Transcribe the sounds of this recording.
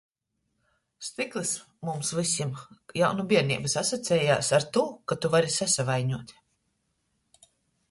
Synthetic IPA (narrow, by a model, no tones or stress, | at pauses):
st̪iklˠɨs | mumsvisʲimjawnubiɛɾnḭːbɨsasat̪sʲɛːjaːsaɾt̪uːkat̪uvaɾisasavajɲuɔt̪ʲ